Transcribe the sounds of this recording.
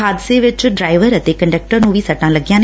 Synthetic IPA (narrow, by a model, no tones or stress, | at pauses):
aːd̪ɪseʋɪt͡ɕʊɖɾaːɪʋəɾət̪ekɐ̃ɳɖək̚ʈəɾnũːʋʱisɐʈãlɐɡijãːn